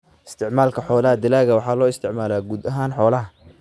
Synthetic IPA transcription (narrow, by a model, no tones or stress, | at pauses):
ʔɪst̪ʰɪʕmaːlkʰɐħɔːlɐɦɐd̪ɪlaːɣɐwɑħɑːlɔːɪst̪ʰɪʕmaːlaːɡuːd̪ɐɦaːnħɔːlɐɦɐ